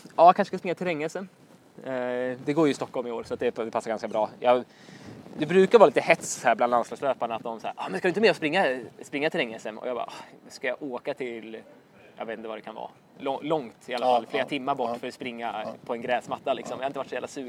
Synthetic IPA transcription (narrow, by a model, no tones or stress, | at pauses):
ɑːjkʰanʂə̥skaspɾɪŋːat̪ʰɪlɛŋːɛsən | ɛd̪ɛɡoːɾjɵɪst̪ɔkːɔlmɪoːɾsɔat̪̚d̪ɛd̪ɛpʰasːaɾɡanskabɾɑːjɑɡ | d̪ɛbɾʉ̟ːkaɾɑːɾliːt̪əhɛt̪shæːɾbland̪anslɑːɡsløːpaɳaat̪̚d̪ɔmsæ̰ːʔɔːmɛnskadɵɪnmɛːɾɔspɾɪŋːaspɾɪŋːat̪ʰɪlɛŋːɛsəmɔ̰jɑɡbɑ̰ːʔɔskajaʔoːkat̪ʰɪl | jɑ̰ɡvet̪nəvaɾɛkʰanvɑ̰ː | ɔlɔŋt̪ɪalːafalfleːɾat̪ʰɪmːaɾbɔʈːfœɾɔspɾɪŋːapʰɔɛnɡɾɛːsmat̪ːalɪ̰ksɔmjahaɾɪnt̪əvaʈsɔjæːlasʉː